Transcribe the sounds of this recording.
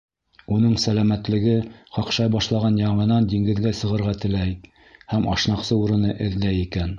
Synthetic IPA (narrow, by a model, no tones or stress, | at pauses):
unɤɴsælæmæt̪lɘ̆ɡɘqɑqʃɑjbɑʃlˠɑʁɑnjɑɴmɤnɑnd̪iŋɡɘ̆ðɡæsɤ̆ʁɤ̆ɾʁɑt̪ɘ̆læj | hæmʔɑ̰ʃnɑqsɤuɾɤ̆nɤʔɘ̆ðlæjikæn